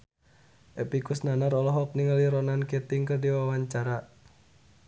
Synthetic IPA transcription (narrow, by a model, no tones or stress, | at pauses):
ʔepikusnanaɾɔlɔɦɔk̚niŋəliɾɔnanket̪ɪŋkərdiwawaɲt͡ʃaɾa